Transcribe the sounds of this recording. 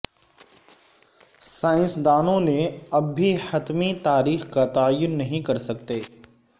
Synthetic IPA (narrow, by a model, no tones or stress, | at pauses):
saːɪ̃nsd̪aːnõneɐbːʱihɐt̪mit̪aːɾiːxkat̪aːjʊnːɐɦĩkɐɾsɐk̚t̪eː